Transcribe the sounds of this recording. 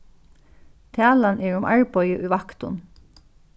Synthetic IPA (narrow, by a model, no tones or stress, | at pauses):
t̪ʰaːlanɛɹʊmʔa̰ɹpɔjəʔujʋakt̪ʊ̰n